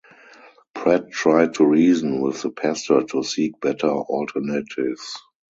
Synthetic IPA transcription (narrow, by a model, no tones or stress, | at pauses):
pʰɹɛt̚tɹaɪd̚tʰuɹiːzə̃nwɪðəpʰæstə˞tʰusiːk̚b̥ɛtʰə˞ɔltʰənetʰɪvs